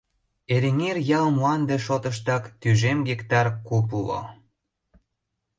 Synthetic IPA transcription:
eɾeŋerjɑlmuɑnd̪eʃot̪əʃ̬t̪ɑkt̪yʒemɡekt̪ɑrkupulo̰

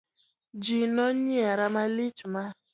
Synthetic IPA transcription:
d͡ʒinɔɲiaɾamalit͡ʃuma

